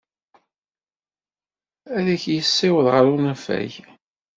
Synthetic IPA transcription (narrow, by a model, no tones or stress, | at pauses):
æðæçjəsːɪwəðʁəɾunæfæ̰j